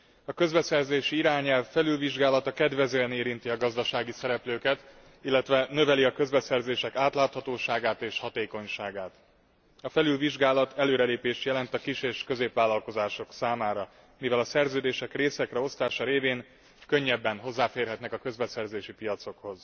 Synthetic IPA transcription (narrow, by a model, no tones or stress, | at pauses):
ɒkø̞zbɛsɛrzeːʃiiɾaːɲɛlfːɛlylviʒɡaːlɒt̪ɒkɛd̪vɛzøːɛneːɾint̪iɒɡɒzd̪ɒʃaːɡisɛɾɛpløːkɛt̪ | ilːɛt̪ʋɛnø̞vɛliɒkø̞zbɛsɛrzeːʃɛkaːt̪laːt̪hɒt̪oːʃaːɡaːt̪eːʃhɒt̪eːko̞ɲʃaːɡaːt̪ | ɒfɛlylviʒɡaːlɒt̪ʰɛløːɾɛleːpeːʃtjɛlɛnt̪ɒkiʃeːʃkøzeːpʋaːlɒlko̞zaːʃo̞ksaːmaːɾɒ | mivɛlɒsɛrzøːd̪eːʃɛkreːsɛkrɛo̞st̪aːʃɒɾeːveːŋ | kø̞ɲːɛbːɛnɦo̞zːaːfeːrɦɛt̪nɛkɒkø̞zbɛsɛrzeːʃipijɒt̪so̞kho̞z